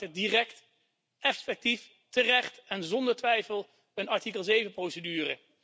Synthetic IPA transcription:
ədirɛkt | ɛfɛk̚tif | tərɛχtɛnzɔndəɹtʋɛjfəlˠ | ənɑɹtikəlˠzejvənprowsədyːrə̰

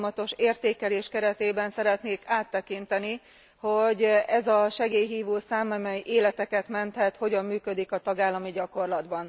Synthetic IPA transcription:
mɒt̪o̞ʃeːrt̪eːkɛleːʃkɛɾɛt̪eːbɛnsɛɾɛt̪neːkaːt̪ːɛkint̪ɛni | ho̞ɟɛzɒʃɛɡeːjɦiːvuːsaːmɒmɛjʔeːlɛt̪ɛkɛt̪mɛnt̪hɛt̪ho̞ɟɒmːyːkød̪ikɒt̪ɒɡaːlːɒmiɟɒko̞rlɒd̪bɒn

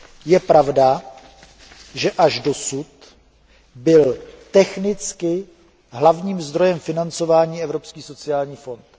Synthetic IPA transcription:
jɛpɾavda | ʒɛʔaʒdo̞sut̪ | bɪlt̪ɛxnɪt͡skɪ | ɦlavɲiːmzd̪ɾo̞jɛmfɪnant͡so̞vaːɲiːɛvɾo̞pskiːso̞t͡sɪaːlɲiːfo̞nt̪

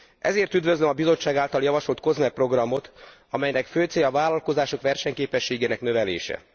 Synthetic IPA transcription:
ʔɛ̰zeːrt̪yd̪vø̞zlømɒbizo̞t͡ʃːaːɡaːlt̪ɒljɒvɒʃo̞lt̪̚ko̞zmɛpro̞ɡrɒmo̞t̪ | ɒmɛjnɛkføːt̪seːjɒvaːlɒlko̞zaːʃo̞kʋɛrʃɛɲkeːpɛʃːeːɡeːnɛknøvɛlḛːʃɛ̰

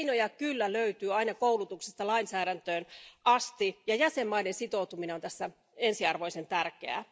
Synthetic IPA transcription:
nojɑkylːæløyt̪yːɑinɑkoulut̪uksest̪ɑlɑinsæːɾænt̪øːnʔɑst̪ijɑjæsemːɑinensit̪out̪umineont̪æsːæ | ensiɑrʋoisent̪ærkeæ̰

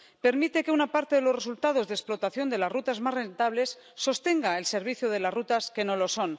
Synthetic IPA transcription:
pe̞ɾmit̪e̞ke̞unapaɾt̪eðe̞lo̞sre̞sult̪að̞o̞zðesplo̞t̪aθjo̞nd̪e̞lazrut̪azmasre̞nt̪aβle̞sːo̞st̪e̞ŋɡaelse̞ɾβ̞iθjoð̞e̞lazrut̪aske̞no̞lo̞so̞n

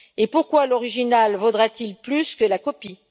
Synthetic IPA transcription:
epuʁkwalɔʁiʒinalvod̪ʁat̪ilplyskəlakɔpi

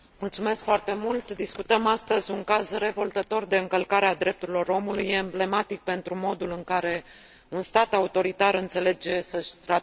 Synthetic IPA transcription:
mult̪sume̞skfoart̪e̞mult̪d̪iskut̪əmast̪əzʲuŋkazre̞vo̞lt̪ət̪o̞rd̪e̞ɨŋkəlkaɾead̪ɾe̞p̚t̪uɾilo̞ɾo̞mulujːeɨmble̞mat̪ik̚pe̞nt̪ɾumo̞d̪ulɨŋkaɾe̞ | unst̪at̪aut̪o̞ɾit̪aɾɨnt̪se̞le̞d͡ʒe̞səʃʲt̪ɾa

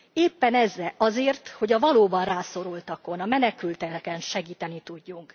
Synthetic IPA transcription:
eːpːɛnɛzːɛʔɒzeːrt̪ho̞ɟɒvɒloːbɒnraːso̞ɾult̪ɒko̞nɒmɛnɛkylt̪ɛkɛnʃɛɡiːt̪ɛnit̪uɟːuŋk

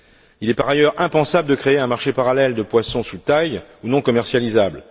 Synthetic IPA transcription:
ilɛpaʁajœʁɛ̃pɑ̃sabləd̪əkχeeɛ̃maʁʃepaʁalɛld̪əpwasɔ̃sut̪ajunɔ̃kɔmɛʁsjalizabl

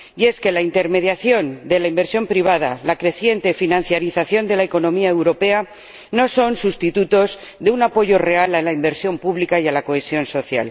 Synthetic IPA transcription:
je̞ske̞laint̪e̞ɾme̞ðjaθjo̞nd̪e̞laimbe̞ɾsjo̞mpɾiβ̞að̞alakɾe̞θje̞nt̪e̞finãn̟θjaɾiθaθjo̞nd̪e̞laeko̞nõ̞miaewɾo̞pe̞a | no̞so̞nsust̪it̪ut̪o̞z | d̪eunapo̞ʝo̞re̞alalaimbe̞ɾsjo̞mpuβlikajalako̞esjo̞nso̞θja̰l

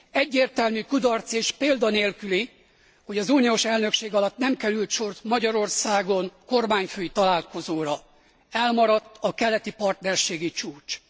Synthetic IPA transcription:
ɛɟːeːrt̪ɛlmykud̪ɒrt̪seːʃpeːld̪ɒneːlkyli | ho̞ɟɒzuːnioːʃɛlnø̞kʃeːɡɒlɒt̪nɛmkɛɾylt̪ʃo̞rt̪mɒɟɒɾo̞rsaːɡo̞nko̞rmaːɲføːjit̪ɒlaːlko̞zoːɾɒ | ɛlmɒɾɒt̪ːɒkɛlɛt̪ipɒrt̪nɛrʃeːɡit͡ʃuːt͡ʃ

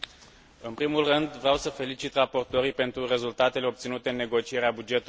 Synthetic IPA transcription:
ɨnpɾimulrɨnd̪vɾeawsəfe̞lit͡ʃit̪rapo̞rt̪o̞ɾijpe̞nt̪ɾure̞zult̪at̪e̞le̞o̞p̚t̪sinut̪e̞ɨnːe̞ɡo̞t͡ʃie̞ɾeabud͡ʒe̞t̪u

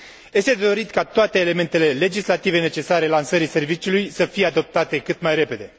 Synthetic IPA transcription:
je̞st̪e̞d̪o̞ɾit̪kat̪oat̪eːle̞me̞nt̪e̞le̞le̞d͡ʒislat̪ive̞ne̞t͡ʃe̞saɾe̞lansəɾise̞rvit͡ʃiulujsəfijead̪o̞p̚t̪at̪e̞kɨt̪majɾe̞pe̞d̪e̞

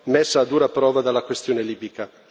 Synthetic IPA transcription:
mesːaːd̪uːɾapɾɔːvad̪alːakwest̪joːneliːbika

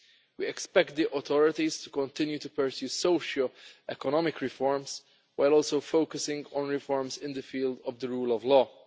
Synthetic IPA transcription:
wiɛkspɛk̚t̪̚d̪iʔɔt̪ʰɔɾɪt̪izt̪u̥kɔ̃nt̪ɪ̃njut̪upəɹsjuːsoʊʃəlʔɛkɔnɔmɪkɹɪfɔɹmz | waɪlɔːlsowfoʊkəsɪ̃ŋɡɔ̃nɹɪfɔɹmzɪ̃nd̪əfiːld̪ɔvd̪əɹuːlɔvlɔː

